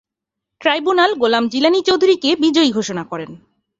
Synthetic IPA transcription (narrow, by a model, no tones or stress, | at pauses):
ʈɾajbunalɡolamd͡ʑilanit͡ɕowd̪ʱuɾikebid͡ʑojɡʱoʃonakɔɾen